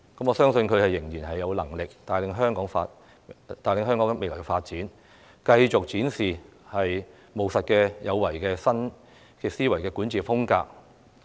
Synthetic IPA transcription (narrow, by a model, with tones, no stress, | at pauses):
kɐ˨˥mɔː˨˧sœː˥ŋsɵ˧nkʰɵ˨˧ɥhɐ˨jːɪ˨˩ŋjiː˨˩nɦɐ˨jːɐ˨˧wlɐ˨˩ŋlɪ˨k̚t̪aː˨˩jlɪ˨˧ŋɦœː˥ŋkɔː˨˥ŋfaː˧ | t̪aː˨jlɪ˨ŋɦœː˥ŋkɔː˨˥ŋɛ˧me˨jlɔː˨˩kɛ˧faː˧t̚t͡siː˨˥n | kɐ˧jt͡sʊ˨k̚t͡siː˨˥nsiː˨˩ | hɐ˨j | mo˨wsɐ˨t̚kɛː˧jɐ˨˧wːɐ˨˩jkɛː˧sɐ˥n | kɛ˧siː˥wɐ˨˩jkɛː˧kuː˨˥nt͡siː˨˩fʊ˥ŋka̰ː˧k̚